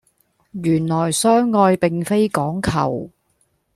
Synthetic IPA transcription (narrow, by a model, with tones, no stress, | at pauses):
jyː˨˩nlɔː˨˩jsœː˥ŋːɔː˧jpɪ˨ŋfe˥jkɔː˨˥ŋkʰɐ̰˨˩w